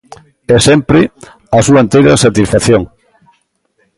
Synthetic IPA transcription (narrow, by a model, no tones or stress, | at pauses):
ɛsɛmpɾɪ | ɐsuaent̪ejɾɐsat̪isfaθjoŋ